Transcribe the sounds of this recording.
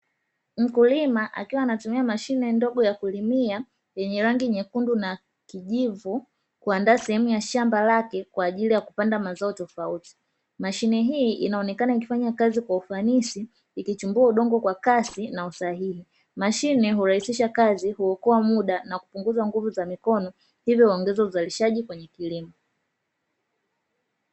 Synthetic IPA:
m̩kulimaʔa̰kiwaːnatumiamaʃinɛndɔɠɔjakulimia | jɛɲɛɾaŋɡiɲɛkunduna | kiʄivu | kuandaːsɛhɛmujaʃambalakɛkwaːʄilijakupandamazaɔtɔfauti̥ | maʃinɛɦiːʔinaɔnɛkanaikifaɲakazikwaufanisiː | kit͡ʃumbuauɗɔŋɡɔkwakasinausaɦihi | maʃinɛɦuɾahisiʃakazihuɔkɔamuɗanakupuŋɡuzaŋɡuvuzamikɔnɔ | hivjɔɔŋɡɛzauzaliʃaʄikwɛɲɛkilimɔ

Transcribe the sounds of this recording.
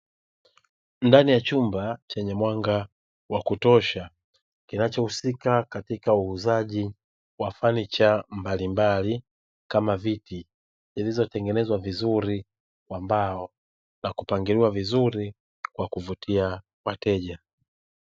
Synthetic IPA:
ndanijat͡ʃumbat͡ʃɛɲɛmwaŋɡa | wakutɔʃa | kinat͡ʃɔhusikakatikauːzaʄi | wafanit͡ʃambalimbali | kamaviti | zilizɔtɛŋɡɛnɛzwavizuɾi | kwambaɔ | nakupaŋɡiliwavizuɾi | kwakuvutʰia | watɛʄa

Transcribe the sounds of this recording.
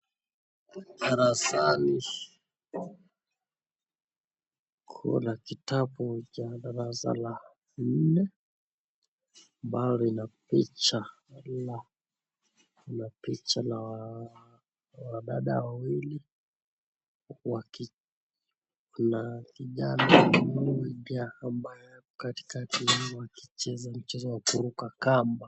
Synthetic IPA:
ɗaɾasani | kʰṵnakitaɓut͡ʃaɗaɾasa̰la | n̩nɛ | mbalɔinapit͡ʃa | la | inapit͡ʃalaw | waɗaɗa̰wawili | waki | unaviʄanaulwiɗaːmbajɛaɔkati̥katiwwakit͡ʃɛzam̩t͡ʃɛzɔwakuɾukakamba

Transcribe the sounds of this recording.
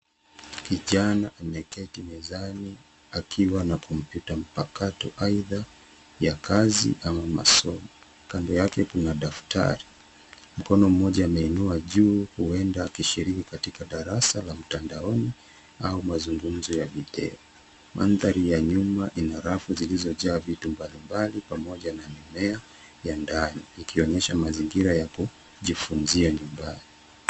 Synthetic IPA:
kiʄanaʔamɛkɛtimɛzani | akʰiwanakʰɔmpjutam̩pakatɔʔaiða | jakʰazḭʔamama̰sɔmɔ | kandɔjakɛkunaɗafta̰ɾi | m̩kɔnɔm̩mɔʄaːmɛinuaʄuːhuɛndaːkiʃiɾikikatikaɗaɾasalam̩tandaɔni | aumazuŋɡum̩zɔjavitɛ̰ɔ | mʔa̰nðaɾijaɲumaʔinaɾafuzilizɔʄaːvitumbalimbalipamɔʄanamimɛa | jandaniikʰiɔɲɛʃamaziŋɡiɾajaku | ʄifunziaɲumbani

